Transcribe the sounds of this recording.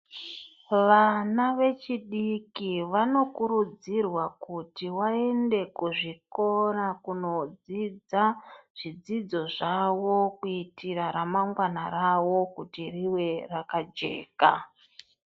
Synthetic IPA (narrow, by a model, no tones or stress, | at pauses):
ʋanaʋe̞t͡ʃiɗikiʋano̞kuɾud͡zirwakutiwae̞nde̞kuʐiko̞ɾakuno̞d͡zid͡zaʐ̥id͡zid͡zo̞ʐawo̞kuitʰiɾaɾamaŋɡwanarawo̞kutiriwe̞rakad͡ʒe̞̰ːka